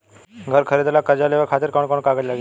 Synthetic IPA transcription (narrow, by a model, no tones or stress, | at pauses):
ɡʱəɾkʰəɾid̪lakəɾd͡ʑaleʋəkʰat̪iɾkəɳkoɳkaɡəd͡ʑlaɡe